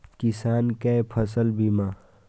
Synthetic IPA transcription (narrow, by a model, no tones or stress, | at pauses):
kisaːnkepʰɐsəlbimaː